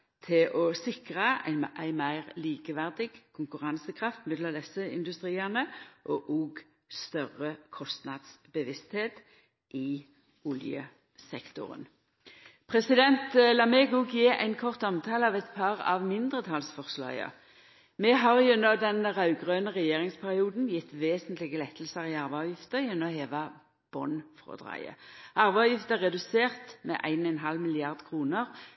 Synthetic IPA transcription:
t̪ʰɪlʔɔsɪkʁəæ̰ɪnmʔæ̰ɪmæɪʁliːkəʋæʁd̪ɪɡkʰʊŋkʉʁɑnsəkʰʁɑft̪mɛd̪lɔmd̪ɛsəɪ̰nd̪ʉst̪ʁiːɑnəʔɔʔoːɡ | st̪œʁəkʰɔst̪nɑd̪sbəʋɪst̪heːt̪ | ʔɪ | ʊljə̰ | sɛkt̪ʊ̰ʁə̰n | pʰʁɛsɪd̪ɛnt̪lɑmeɡʊɡjɪæ̰ɪnkʰɔʁt̪ɑmt̪ʰɑːləɑʋɛɪt̪pʰɑʁɑ̰ʋmɪnd̪ʁət̪ʰɑlsfɔʁslɑ̰jə̰ | mɛɦɑʁjʉnːəʁd̪ɛnʁɑʉɡʁøːnəʁɛjeːʁɪŋspʰæʁɪuːd̪n̩jɪt̪ːʋeːsənt̪lɪɡəlɛt̪ʰːlsəʁɪɑʁʋɑʋjɪft̪əʁjɛnːɔɔheːʋɑ | b̥ɔ̰nfʁɔ̰d̪ʁɑ̰ɪə̰ɑʁʋæɑʋjɪft̪əʁɛd̪ʉseːʁt̪mɛ̰ʔæ̰ɪnɔɛnɦɑlmɪlɪɑʁd̪kʰʁuːnəʁ

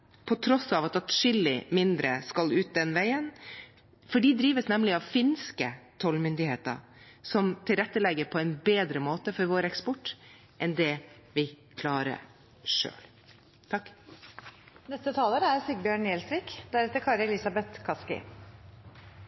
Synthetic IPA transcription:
pʰɔt̪ʰɾɔsɑʋɑt̪ɑt̪ʃʏlːɪmɪnd̪ɾəskɑlʉːt̪̚d̪ɛnʋæɪən | fɔɖiːd̪ɾiːʋəsnɛmlɪɑʋfɪnskət̪ʰɔlmʏnd̪ɪheːt̪ə̰sɔmt̪ʰɪlɾɛt̪ːəlɛɡːəɾpʰɔɛɪnbeːd̪ɾəmoːt̪əfɔɾʋoːɾɛkspɔʈː | ʔɛnd̪ɛʋɪ | kʰlɑːɾə̰ | ʂø̰ːl | t̪ʰɑkː | nɛst̪ət̪ʰɑːləɾæɾsʏɡ̚bjøːɳjɛlsɾikd̪æɾɛt̪əɾkʰɑːɾəɛlɪsɑbɛt̪kʰɑskɪ̰

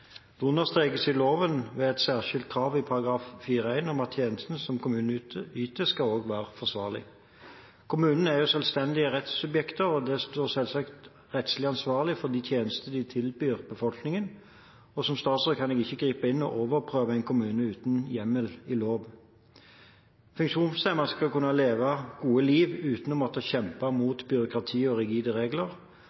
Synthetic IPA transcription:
d̪̥unəʁst̪ʁeːɡəsɪloːʋənʋeːɛt̪sæːʁʃɪlt̪̚kʰɾɑːʋɪpʰɑʁɑɡʁɑːffiːʁəæɪnɔmɑt̪ʰjeːnəst̪n̩sɔmkʰʊmʉːnyːt̪əskɑoːɡʋæːʁəfɔʁsʋɑ̰ːʁlɪ̰ | kʰʊmʉːnən̩æʁjʊsøːlst̪ɛnd̪ɪəʁɛt̪sʉbjɛkt̪əʁɔd̪ɛst̪oːʁsɛlsɑkt̪ | ʁɛt̪slɪɑnsʋɑːʁlɪfɔd̪iːt̪ʰjeːnəst̪əd̪ɪt̪ʰɪlbyːʁbəfɔlknɪŋən | ɔsɔmst̪ɑːt̪sʁɔkʰːɑnɛɡɪçːəɡʁiːpɑɪnːɔ̰ʔoːʋəʁpʰʁøːʋəɛɪnkʰʊmʉːnəʉːt̪n̩jɛmːəlɪloːʋ | fʉŋkʃuːnsæɪmɑskɑkʉnːɑleːʋɑɡ̥uːəliːʋʉːt̪nɔmɔt̪əçɛmpɑmuːt̪bʏɾʊkʁɑt̪ʰiːɔʁɪɡiːd̪əʁeːɡləʁ

